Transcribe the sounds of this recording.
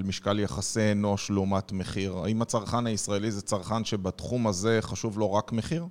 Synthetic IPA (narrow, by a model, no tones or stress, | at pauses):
lmiʃkaljaχasenoʃluumatmeχiʁa̰imat͡saʁχanhaisʁae̞lizet͡saʁχanʃebatχumaze̞χaʃuvlo̞ʁakmeχiʁ